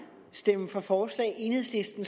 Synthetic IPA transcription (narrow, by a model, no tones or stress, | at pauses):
sd̥emfɒ̽fɒːslɛ̰ːʔe̝nhe̝ð̰ˠslisd̥n̩s